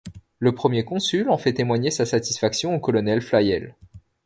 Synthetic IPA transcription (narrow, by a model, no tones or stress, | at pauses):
ləpχəmjekɔ̃sylɑ̃fɛt̪emwaɲesasat̪i̥sfaksjɔ̃okɔlɔnɛlflajɛl